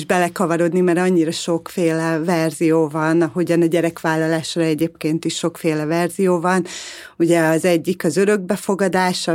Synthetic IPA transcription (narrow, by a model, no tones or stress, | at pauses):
ʒbɛlɛkɒvɒɾo̞d̪nimɛɾɒɲːiɾɒʃo̞kfeːlɛvɛrzijoːvɒnɒɦoɟɒnɒɟɛɾɛkʋaːlːɒlaːʃrɒɛɟeːp̚keːnt̪iʃʃo̞kfeːlɛvɛrzijoːvɒn | uɟɛɒzɛɟːikɒzø̞ɾø̞ɡ̚bɛfo̞ɡɒd̪aːʃ